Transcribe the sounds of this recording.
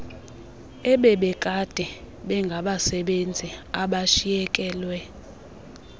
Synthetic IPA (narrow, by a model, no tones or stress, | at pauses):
ɛɓɛɓɛkʼad̥ʱɛ | ɓɛŋɡʱaɓasɛɓend͡zʱiaɓaʃijɛkʼɛːlwɛ